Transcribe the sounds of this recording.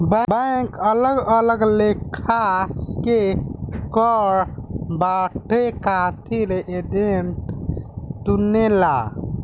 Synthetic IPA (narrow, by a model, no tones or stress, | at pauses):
bəbəkələɡələɡlekʰakekəɾbaʈʰekat̪ʰileʔeɖeɳʈ | t̪unela